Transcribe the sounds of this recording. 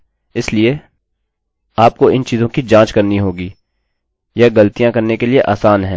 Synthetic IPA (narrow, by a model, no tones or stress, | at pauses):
ɪslie | aːp̚koɪnt͡ʃiːzõkid͡ʒãːt͡ʃkɐɾniɦoːɡiː | jɐɡɐlt̪ijãkɐɾnekelieʔaːsaːnɦɛ̃ː